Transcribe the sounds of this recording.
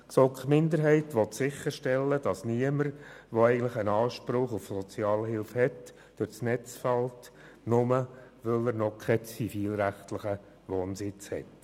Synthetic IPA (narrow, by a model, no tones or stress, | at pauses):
sɔkχmɪndəɾɦɛɪtʋɔt̪sɪχːəɾʃtɛlːəd̥ɑsniəməɾʋɔɛɪɡən̩tləχənɑːʃpɾʊχufsɔt͡sjɑːlhɪlfhɛt | d̥øɾsnɛt͡sfɑltnʊməʋœləɾnɔkʰɛt͡sifiːlɾæχtlɪχə | ʋoːnsɪt͡shɛ̰t